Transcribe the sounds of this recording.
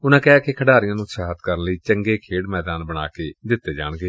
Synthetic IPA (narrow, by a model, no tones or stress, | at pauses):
ʊnãːkɛɦaːkekʰəɽaːɾɪjãːnũːsʰaːɦət̪kəɾənləiːt͡ʃəŋɡeːkʰeːɽmɛːd̪aːnbəɽ̃a̰ːkeːd̪ɪt̪ːeːd͡ʒa̰ːɽɡeː